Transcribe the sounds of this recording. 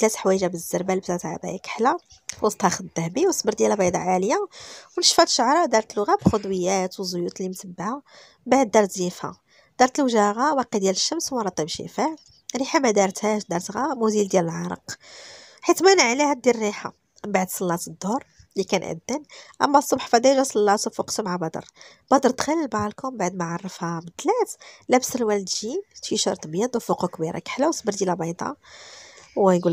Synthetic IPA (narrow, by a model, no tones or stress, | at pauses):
t̪læt̪ħwæjəʒæbəzːəɾbælbt̪ːt̪ʕa̰bæ̰jækə̥ħla | wɑsˤt̪hɑxəd̪d̪ːæhbiwsˤbəɾd̪jælbɑjd̪ˤɑ̰ʕaljawnəʃfæt̪ʃʊʕɾˤɑd̪ɑɾˤt̪əlːʊɣæbxʊd̪wəjːæt̪wzʊjut̪limt̪əbːaha | baʕd̪̚ːɑɾˤt̪zifha̰ | d̪̥ɑɾˤt̪əlwʒæɣawæqid̪jæləʃːəmswɾˤɑt̪ˤːibʃə̰faʕ | ɾiħamæd̪ɑɾˤt̪hæʃd̪ɑɾˤt̪ɣamuzild̪jæləlʕɑɾˤə̰q | ħit̪mænəʕlihæd̪iɾriħa̰ | baʕd̪sˤɑlːɑt̪əd̪ːʊɾˤ | likænʔə̰d̪ːənʔæ̰mːæsˤːʊbħfæd̪æjʒusˤɑlːɑt̪ufuqt̪ʊmʕabɑd̪ˤə̰ɾˤ | b̥ɑd̪əɾˤt̪xælːəlbɑlkʊmbaʕd̪maʕɑrˤːəfhamət̪læt̪læbsəlwæld̪ʒint̪fiʃɑ̰ɾˤt̪ˤbjæd̪ˤuwfuqukbiɾa̰kħlæwsbəɾd̪jælæbɑjd̪ˤɑ̰ | wɡul